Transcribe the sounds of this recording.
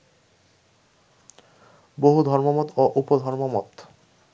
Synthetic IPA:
boɦud̪ʱɔɾmomɔt̪oʔupod̪ʱɔɾmomɔt̪

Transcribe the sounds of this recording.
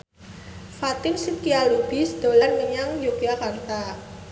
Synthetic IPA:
fat̪ɪnsimkialub̥i̤sd̪̥olanŋəɲaŋjukiakart̪a

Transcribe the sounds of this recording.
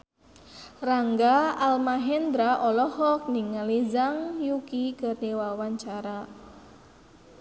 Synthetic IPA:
raŋɡaalmaɦɛnd̪ɾaʔɔlɔhɔk̚niŋːalizaŋjukikərniwawaɲt͡ʃaɾa

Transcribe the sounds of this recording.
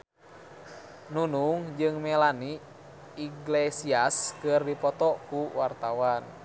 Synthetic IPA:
nunuŋd͡ʒɨŋmɛlani | iɡlesiaskɨrdipɔt̪ɔkuwart̪awan

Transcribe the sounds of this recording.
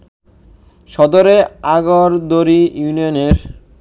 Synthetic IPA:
ʃɔd̪oɾeaɡoɾd̪oɾijunioneɾ

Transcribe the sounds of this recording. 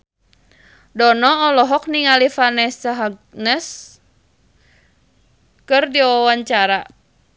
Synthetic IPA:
dɔnɔɔlɔɦɔk̚niŋalifanɛsaɦaɡ̚ | nɛs | kɨrdiwawaɲt͡ʃaɾa

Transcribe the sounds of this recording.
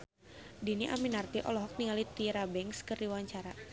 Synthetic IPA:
diniʔa̰minart̪iʔɔ̰lɔɦɔk̚niŋalit̪iɾabɛŋskɨrdiwaɲt͡ʃaɾa

